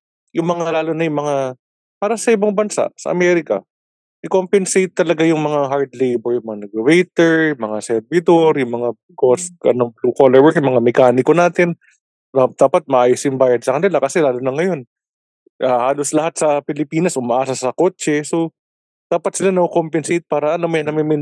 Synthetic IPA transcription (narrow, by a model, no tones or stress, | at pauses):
jʊŋmɐŋalaːlonɐjʊŋmɐŋa | paːɾɐsɐʔɪbaŋbɐnsa̰ʔsɐ̰ʔɐ̰mɛɾɪkɐ̰ | ʔɪkompɛnsejt̪ːɐlɐɡajʊŋmɐŋaɦaɹd̪lejbɛɹjʊŋmɐŋanɐɡɐwejt̪ɛɹmɐŋasɛɾvɪd̪oɾjʊŋmɐŋa | kosʔɐ̰noplukolɛɹwɛkjʊŋmɐŋamɛkaːnɪkonaːt̪ɪn | d̪ad̪̥aːpɐt̪̚mɐʔaːjosʔɪmbaːjɐd̪̚sɐkɐnɪlakɐsɛlaːlonɐŋɐjo̞n | ʔahaːlo̞slɐhat̪̚sɐpɪlɪpiːnɐsʔʊmɐʔaːsɐsɐko̞ːt͡ʃɛso̞ | d̪̥aːpɐt̪sɪlanɐkokompɛnsejt̪̚paːɾɐʔɐnomojɐnɐmɪmɪ